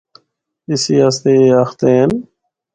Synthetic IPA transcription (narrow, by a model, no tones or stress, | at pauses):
ɪsiːast̪eːəxt̪eːɦən